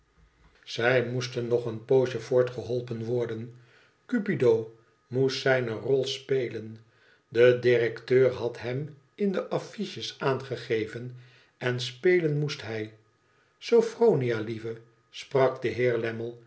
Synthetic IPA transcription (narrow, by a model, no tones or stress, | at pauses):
z̥ɛjmustənːɔχənpowʃəvʊːɹtχəɦɔlˠpənʋɔɹdən | kypidow | mustsɛjnərɔlˠspejlən | dədɪrɛktøːɹɦɑtɦɛm | ɪndəʔɑfiʃəsaːnχəχejvən | ɛnspejlənmustɦɛj | sowfrownialivə | sprɑkdəɦɪːɹlɛməlˠ